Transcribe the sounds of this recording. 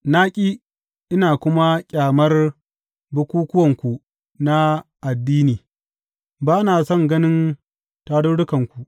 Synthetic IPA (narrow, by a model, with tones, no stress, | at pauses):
naː˦kʲʼiː˦ | ʔɪ˦naː˨kʷʊ˦ma˦kʲʼaː˨mɐ˦r | bʊ˦kʷuː˦kʊ˦wɐ˨ŋkʷu˨ | na˦ʔa˨dːiː˦niː˨ | baː˦naː˨sɔ˦˨ŋɡɐ˦nɪ˦n | taː˦ɽʊ˦ɽʊ˦kɐ˨ŋkʷu˨ʔ